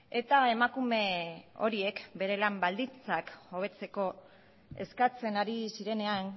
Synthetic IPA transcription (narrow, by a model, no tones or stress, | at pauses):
e̞t̪ae̞makume̞o̞̰ɾie̞kbe̞ɾe̞lambald̪int͡sako̞β̞e̞t͡se̞ko̞ | e̞̰skat͡se̞naɾisiɾe̞ne̞an